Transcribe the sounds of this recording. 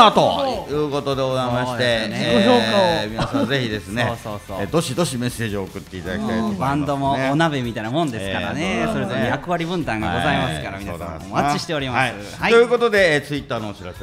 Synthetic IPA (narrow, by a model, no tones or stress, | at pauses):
at̪ojɯːko̞t̪o̞d̪eɡozaimaɕit̪eomimasãze̞çid̪e̞sɨnesoːsod̪o̞ɕid̪o̞ɕime̞sːe̞ːʑioːkɯ̟t̪ːe̞it̪ad̪aiit̪a̰ibãnd̪o̞mo̞ːnabemʲit̪ainamõ̞nd̪e̞sɨ̥kaɾa̰neso̞ɾezoojakɯ̟βaɾʲibɯ̟̃nt̪ãŋɡaɡo̞zaimasɨkaɾa̰mʲiaamat͡ɕːiɕi̥t̪e̞o̞ɾʲimaasɨ | aojɯːko̞t̪od̪e̞t͡sɨit̪ːaːnoːɕiɾase